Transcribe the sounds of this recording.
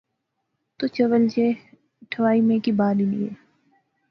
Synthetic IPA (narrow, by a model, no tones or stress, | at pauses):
t̪ot͡ʃəʋəld͡ʒe | ʈʰəʋaːimẽkibaːdinḭḛː